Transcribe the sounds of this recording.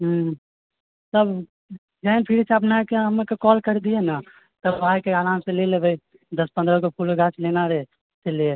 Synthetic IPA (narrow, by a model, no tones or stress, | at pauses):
ɦ | t̪əb | d͡ʒajnpʰiɾet͡ʃʰəpnakeɦəmekekɔlkəɾd̪iena | t̪əbbajkealamsẽlelebəj | d̪əspənd̪ɾəkepʰulɡat͡ʃʰlenaɾe | t͡ʃelie